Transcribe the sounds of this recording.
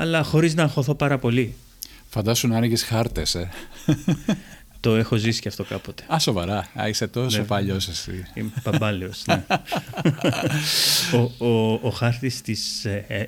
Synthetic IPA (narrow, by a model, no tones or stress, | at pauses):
ɐlɐxo̞ɾiznɐːxo̞θo̞pɐɾɐpo̞li | fɐnd̪ɐsunɐnɐʝisxɐɾt̪ese | t̪o̞e̞xo̞zisi̥cɐft̪o̞kɐpo̞t̪e̥ɐso̞vɐɾɐɐ̰iset̪oepɐʎosesḭipɐbɐliosne | ooːxɐɾt̪ist̪is